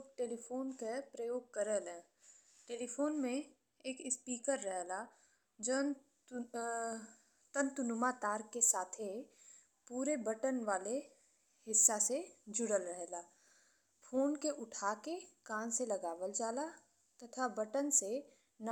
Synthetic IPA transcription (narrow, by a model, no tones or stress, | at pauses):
ʈeːlipʰoːnkepɾəjoːɡ̚kəɾəlɛ̃ | ʈeːlipʰoːnmẽ | eːkɪspiːkəɾːəɦla | d͡ʒən | t̪ənt̪ʊnʊmat̪aːɾkesaːt̪ʰe | puːɾebəʈənʋaːle | ɦɪsːased͡ʒʊɽəlɾəɦlaː | fʰoːnkeʔʊʈʰaːkekãːnselɐɡaːʋəld͡ʒaːla | t̪ɐt̪ʰabəʈənse | n